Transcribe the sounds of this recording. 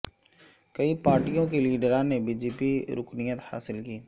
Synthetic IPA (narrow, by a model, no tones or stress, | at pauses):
kəipaːɾʈijõkiliːɖəɾãːnebiːd͡ʒeːpiɾʊknijət̪ha̰ːsɪlkiː